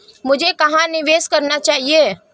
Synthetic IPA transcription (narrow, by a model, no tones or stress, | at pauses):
mʊd͡ʒʱekɐɦãnɪʋeːskɐɾnat͡ʃaːɦie